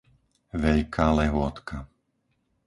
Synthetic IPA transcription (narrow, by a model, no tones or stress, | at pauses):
ʋɛʎkʰaːlɛɦʊɔt̪kʰa